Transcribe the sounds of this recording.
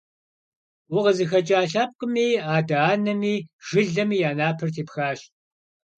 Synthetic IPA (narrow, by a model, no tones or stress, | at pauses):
wʊʁəzɨxɐt͡ʃʼaːɬaːp̚qʼʊmiːaːdaaːnɐmiːʒ̥ɨɮɐmiːjaːnaːpʰɨrtʰeːpxaːɕ